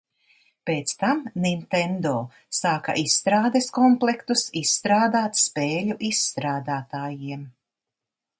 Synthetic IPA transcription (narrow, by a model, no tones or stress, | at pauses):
peːt̪st̪amnint̪ɛnd̪oː | saːka̰ʔisːt̪ɾaːd̪eskɔmplˠɛkt̪usisːt̪ɾaːd̪aːt̪speːlʲuʔisːt̪ɾaːd̪aːt̪aːjiɛm